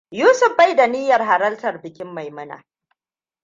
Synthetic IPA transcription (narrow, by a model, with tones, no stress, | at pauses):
juː˦sʊ˨ɸba˦jda˨nɪ˦jɐ˨rɦa˨ɾɐ˦ltɐ˨rbɪ˨kʲɪ˦mːa˨jmɐ˦na̰˨